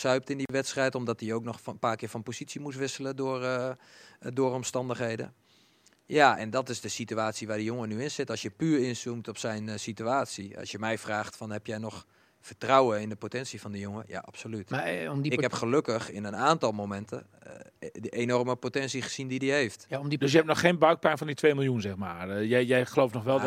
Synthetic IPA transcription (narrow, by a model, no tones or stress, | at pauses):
sœɥp̚tɪndiʋɛtstrɛjtɔmdɔt̚diowknɔχpaːkɪːfɔnpositsimus̬ʋɪsələdʊər | dʊərɔmstɑndəxɦejdə̰ | jaʔɛ̰ndɔtɪsdəsityaːtsiʋaːdəjoŋənyɪnsɪtɔlsjəpyːrɪnsumtɔpsɛjnsityaːtsiɑ̰lˠsjəmɛjfraːxtfɔnɦɛpjɛjnɔx | fərtrawəɪndəpotɛnsifɔndəjoŋəja̰ʔa̰psolytɪkhɛpxəløkəxɪnənaːntɔlˠmomɛntʰə̰ | dəʔenɔrməpotɛnsiχə̥sindidiheːftjmdøsjəɛp̚tnɔxːeːnbœɥk̚pɛnfɔnditʰʋejmɪlˠjunzɛxmaːrjɛjjɛjxəlowftnɔxʋɛlˠ